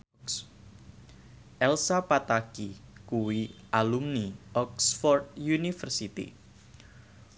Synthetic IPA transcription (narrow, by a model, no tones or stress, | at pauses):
ʔɛlsapat̪akikuwiʔalumniʔɔksfɔrd̪̚junifərsit̪ḭ